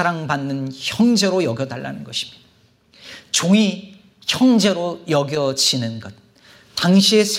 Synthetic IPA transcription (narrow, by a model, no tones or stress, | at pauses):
aɾaŋbanːɯnçjʌŋd͡ʑe̞ɾojʌɡjʌda̰ɭːʔa̰nɯnɡʌɕʰi̥mjid | t͡ɕoŋi | çjʌŋd͡ʑe̞ɾojʌɡjʌt͡ɕʰinɯnɡʌt̚ | taŋɕʰie̞sʰ